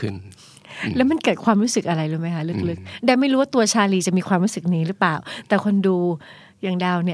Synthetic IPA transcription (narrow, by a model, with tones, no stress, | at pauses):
kʰɯ˧˩n | lɛː˦˥wma˧nkɤː˨˩t̪̚kʰwaː˧mɾuː˦˥sɯ˨˩k̚ʔa˧ɾa˧jlɯː˧˩jma˦˥jkʰa˦˥lɯ˦˥k̚lɯ˦˥k̚daː˧˩jma˥˩jɾuː˦˥waː˥˩t̪u˧ɐt͡ɕʰaː˧liː˧˩t͡ɕa˨˩miː˧kʰwaː˧mɾuː˦˥sɯ˨˩k̚niː˧˦˩ɾɯ˦˥paː˨˩wt̪ɛː˨˩kʰo˧nduː˧ | jaː˨˩ŋdaː˧wni˥˩